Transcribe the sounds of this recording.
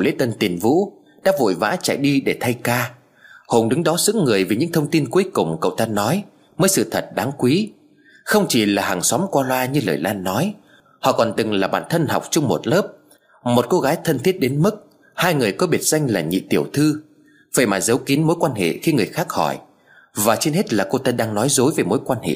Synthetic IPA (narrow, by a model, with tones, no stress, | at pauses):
wlḛ˧˥t̪ə˧nt̪i˨˩nvṵ˧˥ | ɗa̰ː˧˥vo̰˧˨jva̰ː˧˥t͡ɕa̰˧˨jɗi˧ɗe˧˩t̪ʰa˧jkaː˧ | ho˨˩nɗɨ˨˦ŋɗɔ˨˦zɨ̰˧˥ŋɨ˨˩əjvi˨˩ɲɨ̰˧˥ŋt̪ʰə˧wŋ͡mt̪i˧nku˨˦jkʊ˨˩ŋ͡mkə̰˧˨wt̪ʰa˧nːɔ˨˦j | məː˨˦jsɨ̰˧˨t̪ʰə˨˩t̚ɗaː˨˦ŋkwi˨˦ | xə˧wŋ͡mt͡ɕi˨˩laː˨˩ha˨˩ŋswɔ˨˦mkwaː˧lwaː˧ɲɨ˧ləː˨˩jlaː˧nːɔ˨˦j | hɔ̰˧˨kɔ˨˩nt̪ɨ˨˩ŋlaː˨˩ɓa̰ː˧˨nt̪ʰə˧nha˨˩wk͡p̚t͡ɕʊ˧wŋ͡mmo˨˩t̚ləː˦˥p̚ | mo˨˩t̚ko˧ɣaː˨˦jt̪ʰə˧nt̪ʰi˦˥ət̚ɗe˨˦nmɨ˦˥k̚ | haː˧jŋɨ˨˩əjkɔ˨˦ɓi˦˩ət̚za˧jŋ̟laː˨˩ɲḭ˧˨t̪i˧˩əwt̪ʰɨ˧ | və̰˧˩jmaː˨˩zə˨˦wki˨˦nmo˨˦jkwaː˧nhḛ˧˨xi˧ŋɨ˨˩əjxaː˦˥k̚hɔ˧˩j | vaː˨˩t͡ɕi˧nhe˦˥t̚laː˨˩ko˧t̪aː˧ɗaː˧ŋnɔ˨˦jzo˨˦jve˨˩mo˨˦jkwaː˧nhḛ˧˨ʔ